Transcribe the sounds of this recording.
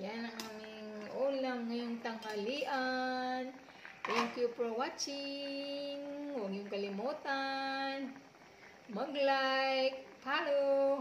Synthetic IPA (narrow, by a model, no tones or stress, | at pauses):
janaŋamiŋolaŋiŋt̪aŋɦaliʔan | ajuŋkjupɾowat͡ʃi | ŋwaŋjuŋkalimot̪an | məɡlajk̚pʰaɾo